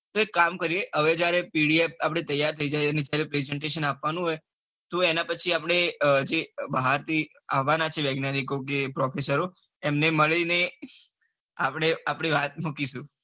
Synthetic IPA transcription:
t̪oekːamkəɾieʔəʋed͡ʒjaɾepiɽiep̚apɽ̃et̪əjːaɾt̪ʰəid͡ʒajəned͡ʒjaɾepɾɛzɛɳʈeʃənapʋanũɦoj | t̪oenapət͡ʃʰiapɽ̃ed͡ʒebəɦaɾt̪ʰi | aʋːanat͡ʃʰeʋeɡnanikok̬epɾɔfesəɾo | emneməɭine | apɽ̃eapɽ̃iʋat̪̚mukiʃũ

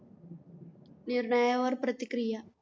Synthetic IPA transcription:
niɾɳɐjɐʋɐɾpɾɐt̪ikɾijɐ

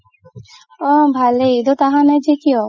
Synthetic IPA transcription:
ɔbʱaleid̪ot̪aɦãnad͡ʒekiɔ

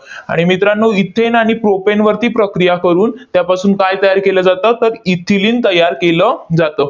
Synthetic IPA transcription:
a̰ɽ̃imit̪ɾanːoit̪ʰːenaɽ̃ipɾopenʋəɾt̪iːpɾəkɾijakəɾuːnt̪japasuːnkajt̪əjaɾkeləːd͡zat̪ət̪əɾit̪ʰːiliːnt̪əjaɾkeləd͡zat̪ə

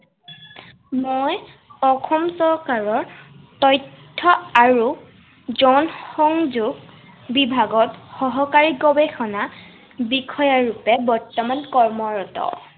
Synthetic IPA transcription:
moj | ɔxʰɔmsɔɹkaɹɔɹtɔjtʰːɔaɹu | zɔnxɔŋzuɡ | bibʱaɡɔtxɔɦɔkaɹiɡɔbexʰɔna | bikʰɔjaɹupɛbɔɹtɔmankɔɹmɔɹɔtɔ̰

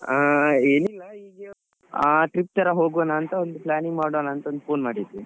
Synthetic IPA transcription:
aeːnilːɐiːɡe | aʈɾip̚t̪ɐɾɐɦoːɡɐnaːnt̪ɐond̪uplaːniŋɡmaːɽonaːnt̪ɐond̪upʰoːnmaːɽid̪u

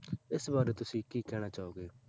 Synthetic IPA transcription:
ɪsbaːɾeːt̪ʊsĩːkiːkɛːɽ̃aːt͡ʃaːoːɡeː

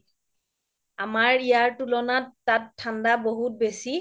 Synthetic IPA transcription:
amaɹijaɹtulɔnatːatʰːandaboɦut̚besi

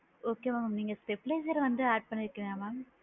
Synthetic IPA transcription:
oːkːemɐmɐmniːŋːɐɭsʈepːleːd͡ʑɐɾʋɐndɨaːʈ̚pɐɳːiɾikʲːunɐjaːmaːm

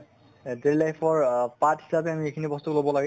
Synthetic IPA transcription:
deɹlajpʰɔɹpathisapɛamiekʰinibɔst̪ʊklobɔlaɡɛ

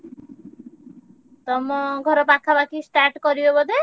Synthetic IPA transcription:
t̪ɔmɔɡʱɔɾɔpakʰːabakisʈaɾʈkɔɾibebɔd̪e

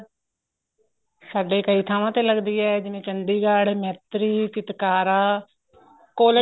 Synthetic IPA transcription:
saːɖeːkəiːt̪ʰaːʋãːt̪eːləɡd̪iːɛːd͡ʒɪʋẽːt͡ʃənd̪iːɡəɽmɛːt̪ɾiːt͡ʃɪt̪kaːɾaː | koːl

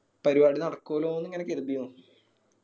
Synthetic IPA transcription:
pɐɾibaːɽinɐɽɐkːoːloːonːɨŋːɐnekːeðibij

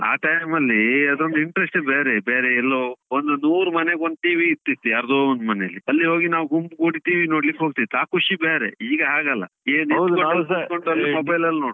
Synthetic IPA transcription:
a̰ːʈɐjmɐlːiɐd̪ond̪iɳʈɾesʈbeːɾebeːɾeɛlːoond̪unuːɾmɐneɡond̪̚ʈiːʋiːt̪ːit̪ːujaːɾd̪oːond̪mɐneɐlːiɐlːiɦo̞ːɡinaːʋɡumbɡoːɽiʈiːʋino̞ːɽlikɦoːɡ̚t̪iʋit̪ʰaːkʰuʂibeːɾḛiːɡɐɦaːɡɐlːɐ̰eːnikoeikoɳʈɐlːɐmobɐjlɐlːnoːɽu

